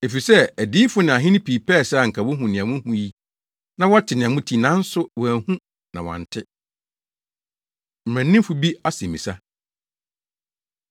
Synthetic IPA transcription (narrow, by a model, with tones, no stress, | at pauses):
e˨fi˨sɛ˦æ˨di˦fʊ˦nɪ̃˨a˨ɦɪ̃˦nɪ̃˦pʰiː˨pʰɛ˦˨sɛ˦a˨ŋ̩˨kʰa˨wʊ˦ɦũ˨nɪ̃˨ã˨mʊ̃˦hũ˨ji˦ | nã˦wɔ˦tʰɪ˨nɪ̃˨a˨mʊ̃˦tʰi˨nã˦n̩˦sʊ˦wɔ˨æ˨hũ˦ | nã˨wɔ̰̃˨n˨tʰɪ˦ | m̩˨æ̃˨nːɪ̃˦m˦fʊ˦bi˦a˦sẽ˨mĩ˨sa˦